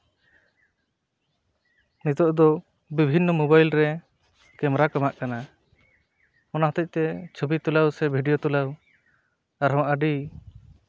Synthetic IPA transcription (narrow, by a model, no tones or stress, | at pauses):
nit̪ɔʔd̪ɔ | bibʱinːɔmɔbajlɾɛ | kɛmɾakamaʔkana | ɔnaɦɔt̪ɛc̚ˀt̪ɛt͡ʃʰubit̪ulawsɛbʱiɖijot̪ulaw | aɾɦɔmaʔaɖi